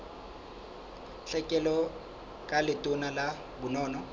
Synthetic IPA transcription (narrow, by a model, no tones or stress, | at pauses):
ɬɛkʼɛlɔ | kʼalɪtʼʊnala | bʊnɔːnɔ